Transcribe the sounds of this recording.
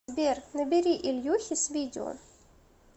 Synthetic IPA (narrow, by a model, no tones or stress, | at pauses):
bʲernəbʲɪɾʲiʔɪlʲjuxʲɪsʲvʲidʲɪo̰